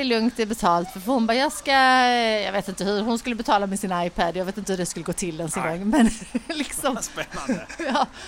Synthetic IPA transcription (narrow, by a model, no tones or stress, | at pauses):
ɪlɵŋkt̪ɪbɛt̪ʰɑːlt̪fœɾfɔhʊnbɑːjɑːɡskajɑːɡveːt̪ɪnt̪əhɵɾɦʊnskɵlːəbɛt̪ʰɑːlamɛsɪnajpʰæd̪jɑɡveːt̪ɪnt̪əhɵdɛskɵləɡoːt̪ʰɪld̪ɛnsɛŋɡɔŋːmɛnlɪksɔm | jɑː